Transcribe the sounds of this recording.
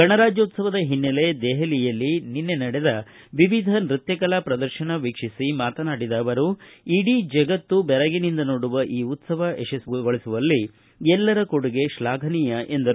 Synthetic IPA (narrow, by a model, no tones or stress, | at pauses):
ɡɐɳɐɾaːd͡ʒoːt̪sɐʋɐd̪ɐɦinːɐle̞d̪eːɦɐlijɐlːininːe̞nɐɽed̪ɐ | ʋiʋid̪ʱɐnɾit̪jɐkɐlaːpɾɐd̪ɐɾʃɐnɐʋikʂisimaːt̪ɐnaːɽid̪aːʋɐɾuiɽid͡ʒɐɡɐt̪ːubɛɾɐɡinind̪ɐnoːɽuʋɐʔiːut̪sɐʋɐeʃɐsɡɡoɭisuʋɐlːi | ɛlːɐɾɐkoɽuɡe̞ʃlaːɡʱɐniːjɐʔend̪ɐɾu